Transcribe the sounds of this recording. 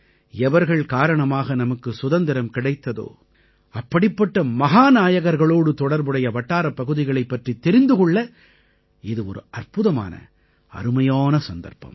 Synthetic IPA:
ɛʋɐɾɣɐɭkaːɾɐɳɐmaːɣɐnɐmɐkːɯsʊðɐnd̪ɪɾɐmkɪɽɐɪt̪ːɐðo̰ː | ɐpːɐɽɪpːɐʈːɐmɐɣaːnaːjɐɣɐɾɣɐɭoːɽɯt̪ɔɽɐɾbɯɽɐjɐʋɐʈːaːɾɐpːɐɣɯðɪɣɐɭɐɪpːɐʈrit̪ːɛɾɪnd̪ɯkɔɭːɐ | ɪðɯɔɾɯɐɾpɯðɐma̰ːnɐ̰ | ɐ̰ɾɯmɐjaːnɐsɐnd̪ɐ̰ɾpɐ̰m

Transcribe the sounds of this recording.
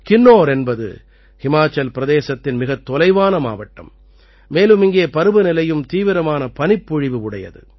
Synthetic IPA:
kɪnːoːɾɛnbɐðɯ̰ | hɪmaːt͡ʃːɐlpɪɾɐðeːsɐt̪ːɪnmɪɣɐt̪ːɔlɐɪʋaːnɐma̰ːʋɐʈːɐ̰mː | eːlɯmɪŋɡeːɐpɐɾɯbɯnɪlɐjɯmt̪iːʋɪɾɐmaːnɐpɐnɪpːʊɻɪʋɯʊɽɐjɐ̰ðɯ̰

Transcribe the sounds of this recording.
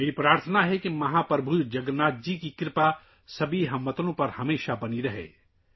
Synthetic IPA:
jeːɾipɾaːɾt̪ʰənaɦɛkimɐɦaːpɾɐbʱud͡ʒɐɡɾnaːt̪̚d͡ʒikikɾɪpa | sɐbʱiɦɐmːət̪nõpɐɾhɐmeːʃabɐniɾɐɦḛː

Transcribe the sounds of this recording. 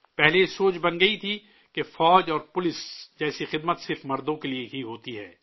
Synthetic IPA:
pɛɦlesoːt͡ʃbɐnɡɐit̪ʰi | kefɔːd͡ʒɔːɾpʊlɪsd͡ʒɛːsixɪd̪mət̪sɪɾfmɐɾd̪õkelieɦiɦoːt̪iɦɛː

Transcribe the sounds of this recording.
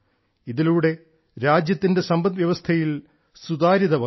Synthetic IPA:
iðiluːɽe̞ | ɾaːd͡ʑjɐt̪ːinde̞sɐmbɐnʋjɐʋɐst̪ʰɐjil | sud̪aːɾiðɐʋɐ

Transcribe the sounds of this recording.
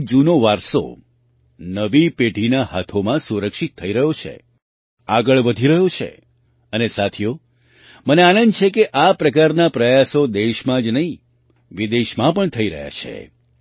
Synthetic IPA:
d͡ʒunoʋaɾso̰ | nəʋipeʈinahat̪ʰomãsuɾəkʃit̪ʰːəiɾəɦot͡ʃʰḛ | aɡəɭʋəd̪ʱiɾəɦjot͡ʃʰḛ | ənesat̪ʰjo | məneanənd̪t͡ʃʰekeʔapɾəkaɾnapɾəjasod̪eʃmãd͡ʒnəɦĩ | ʋid̪eʃmãpəɳt̪ʰəiɾə̰ɦja̰t͡ʃʰḛ

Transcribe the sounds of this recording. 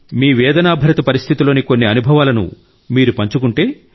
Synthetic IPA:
miːʋɛːd̪ɐnaːbʱɐɾɐt̪ɐpɐɾist̪ʰit̪ilo̞ːnikonːiɐnubʱɐʋaːlɐnṵ | miːɾupɐɲt͡ʃukuɳʈe̞ː

